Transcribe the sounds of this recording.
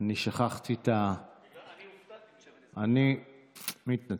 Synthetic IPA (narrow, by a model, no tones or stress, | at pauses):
niʃaχaχt̪it̪a | ani | mit̪na